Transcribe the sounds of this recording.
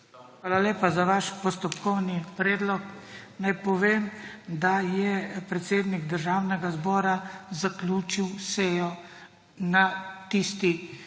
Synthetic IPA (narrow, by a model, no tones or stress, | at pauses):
xʋaːlaleːpazaʋaːʃpɔst̪ɔpkɔwnipɾɛːd̪lɔknajpɔʋeːmd̪ajɛpɾɛt̪seːd̪niɡd̪əɾʒaːwnɛɡazbɔːɾazaklʲuːt͡ʃiwsɛjɔ | nat̪ist̪i